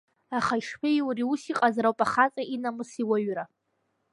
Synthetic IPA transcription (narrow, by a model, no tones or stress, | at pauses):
aχaiʂħejwriusiqʼazaɾawpʼaχat͡sʼaʔinamɨsiwaɥra